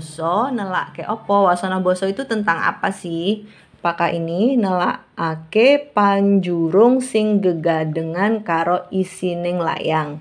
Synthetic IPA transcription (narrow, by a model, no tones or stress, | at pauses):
sɔnəlakeʔɔpɔwasɔnɔhbɔsɔit̪ut̪ənt̪aŋa̰pasɪh | pakaʔininəla̰ʔʔːkepaɲd͡ʒuɾʊŋsɪŋɡəɡadəŋankaɾoisinɪŋla̰jaŋ